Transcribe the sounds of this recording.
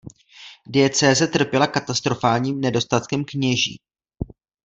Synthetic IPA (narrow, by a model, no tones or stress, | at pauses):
dɪɛt͡sɛːzɛt̪r̩pjɛlakat̪ast̪ɾo̞faːlɲiːmnɛdo̞st̪at̪kɛmkɲɛʒḭː